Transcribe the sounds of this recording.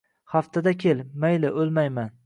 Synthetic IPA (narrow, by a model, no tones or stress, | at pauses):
haft̪ʰad̪akʲʰe̞lmajlɪʔolˠmajman